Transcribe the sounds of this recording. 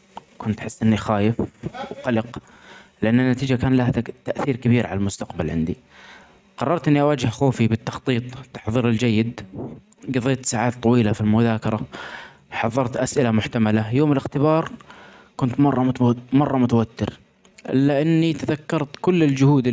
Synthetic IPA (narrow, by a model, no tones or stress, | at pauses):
kʊnt̪ħɪsːʔɪnːixaːjɪfwqɑlɪq | lɪʔanːanːat̪iːd͡ʒakaːnlahat̪aʔθiːɾkabiːɾʕa̰lalmʊst̪aqbalʕɪ̰nd̪i | qɑrˤːɑɾˤt̪ʔɪnːiʔawaːd͡ʒɪhxoːfibɪt̪ːɑxt̪ˤiːt̪ˤt̪ːɑ̥ħðˤiːɾɪld͡ʒajːɪd̪ | ɡɑðˤeːt̪saːʕaːt̪ˤːɑwiːlafilmʊðaːkɑɾˤɑ | ħɑðˤːɑɾˤt̪ʔasʔɪlamʊħt̪amalajoːmɪlɪxt̪ɪbɑːɾˤ | kʊnt̪mɑrˤːɑmɑrˤːɑmʊt̪awat̪ːɪɾ | ʔɪ̰lːaʔɪnːit̪aðakːɑɾˤt̪kʊlːɪld͡ʒʊhuːd̪ɪ